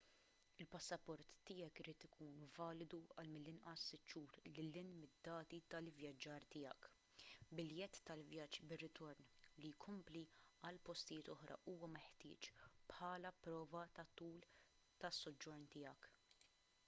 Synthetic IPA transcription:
ɪlpɐsːɐpɔɾt̪ːɪːjɐkɪɾiːt̪ɪkʰuːnvɐːlɪd̪uɐlmɪlːɪnʔɐsːɪt̪ːʃuːɾlɪlːɪnmɪd̪ːɐːt̪it̪ɐlvjɐd͡ʒːɐːɾt̪ɪːjɐ̰k | bɪljɛt̪ːɐlvjɐd͡ʒbɪrːɪt̪ɔɾnlijkʰɔmpliɐlpɔst̪ɪjɪːt̪ɔħɾʔɐ̰ʔuːwɐmɛħt̪ɪːt͡ʃpħɐːlɐpɾɔːvɐt̪ɐt̪uːl | t̪ɐsːɔd͡ʒːɔɾnt̪ɪːjɐk

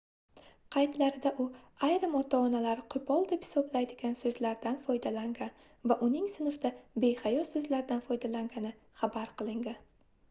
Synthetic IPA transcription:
qʰɑjt̪laɾɪd̪aʔʊajɾɪmɒt̪ʰaːnalaɾqʰʊpʰɒlˠd̪e̞phɪ̥sɒblajd̪ɪɡʲansɵzlaɾd̪anfɒjd̪alaŋɡʲan | vaʔʊnɪŋsɪnfd̪abe̞jhajɒsɵzlaɾd̪anfɒjd̪alaŋɡʲanɪ | χabaɾqɨlˠɪŋd̪ɪ

